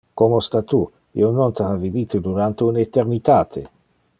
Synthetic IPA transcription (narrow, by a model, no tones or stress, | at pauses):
komost̪at̪u | ḭonont̪avivit̪ud̪uɾant̪eunet̪eɾnit̪aːt̪ʰe